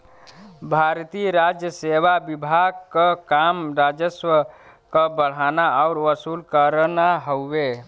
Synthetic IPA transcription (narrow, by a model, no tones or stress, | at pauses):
bʱaɾt̪iɾad͡ʒjəseʋabibʱaɡ̚kəkamɾad͡ʒəswə | kəbəɽ̤anaaʊɾʋəsulkəɾnaɦobe